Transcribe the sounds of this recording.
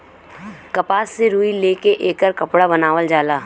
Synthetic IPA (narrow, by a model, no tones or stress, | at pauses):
kɐpaːsːeɾuːileːkeʔeːkəɾkɐpɽabɐnaːʋəld͡ʒaːlaː